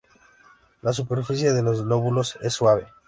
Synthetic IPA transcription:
las̬upe̞ɾfisjeðelo̞zno̞βulo̞se̞sːwaβe̞

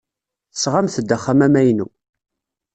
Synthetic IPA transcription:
θəsʁamθəd̪ːæχːamæmæjnṵ

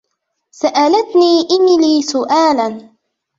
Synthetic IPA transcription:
saʔalat̪niːʔɪmɪliːsʊʔaːlan

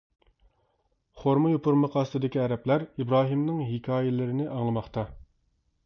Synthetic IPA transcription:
χoɾmɨjupuɾmɨqʰɑːst̪ʰɨd̪ɪkʲiɛɾɛplæɾibɾɑːɦimnɨŋɦikʲʰɑːjɪlɪɾɪnɪʔɑŋlˠɨmɑχt̪ɑ

